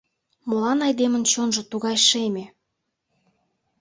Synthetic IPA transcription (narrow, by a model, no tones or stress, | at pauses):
məlɑnɑjd̪emə̆nt͡ɕonʒɤ̆t̪uɣɑjʃemʲe